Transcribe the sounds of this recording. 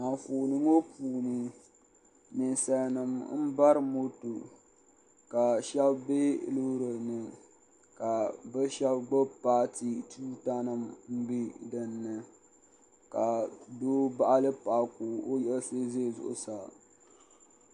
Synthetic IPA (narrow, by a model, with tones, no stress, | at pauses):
ma˨nfuː˨nɨ˦ŋo˦puː˨nɨ˨ | mi˨nsɛ˨nɨ˨mm̩˦ba˦ɾɨ˦mo˦to˨ | ka˨ʃɛ˦bbe˦lo˦ɾo˨nɨ˨ | ka˨bɨ˦ʃɛ˦bɡ͡bɨ˦paː˦ti˨tʰu˦ta˦nɨ˨m̩˦bi˦dɨ˨nːɨ˨ | ka˨doː˦ba˦ʔa˦lɨ˦pa˨ku˨o˦jɛ˦lse˦ze˦˨zʊ̰˨ʔʊ̰˨sa˨